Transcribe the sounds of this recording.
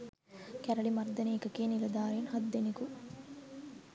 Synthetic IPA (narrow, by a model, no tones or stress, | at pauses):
kæɾɐɭimɐɾd̪ɐniːkɐkiɐnilɐd̪aːɾjunhɐd̪ːeniku